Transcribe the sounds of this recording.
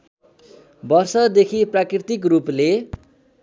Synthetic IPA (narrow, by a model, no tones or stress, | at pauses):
bʌrsʌd̪ekʰiprakrit̪ikruple